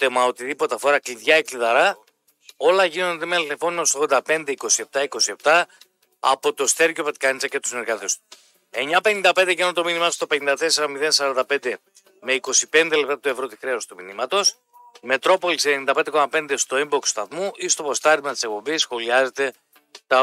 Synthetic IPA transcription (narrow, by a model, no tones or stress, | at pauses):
t̪emɐot̪iðipo̞t̪efoɾɐkliðʝɐekliðɐɾɐ | o̞lɐʝinond̪emelnefo̞numst̪oɣðo̞nd̪ɐpe̞nd̪eiko̞sie̞p̚t̪ɐiko̞sie̞pt̪ɐ | ɐ̰po̞t̪o̞st̪e̞ɾʝopet̪kɐnt͡sɐcet̪u̥sneɾɣɐt̪est̪u̥ | e̞ɲɐpe̞nind̪ɐpend̪eʝenot̪o̞minimɐst̪ope̞nind̪ɐt̪e̞se̞ɾɐmiðensɐɾɐnd̪ɐp̞nd̪e̞ | me̞iko̞sipe̞nd̪e̞le̞p̚t̪ɐt̪ue̞vɾo̞t̪ixɾe̞ost̪umḭnimɐt̪o̞s | me̞t̪ɾo̞po̞lisenenind̪ɐpend̪eko̞mɐpe̞nd̪est̪o̞imbokst̪ɐθmuʔist̪o̞po̞st̪ɐɾt̪imɐt̪i̥se̞k̚po̞bisːxo̞liɐze̞t̪e̞ | t̪ɐ